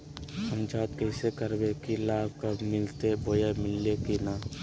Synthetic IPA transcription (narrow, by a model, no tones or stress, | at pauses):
əmd͡ʒaːd̪kɛɪsekəɾbekilaːlkamɪlt̪eboːjamɪlːekinaː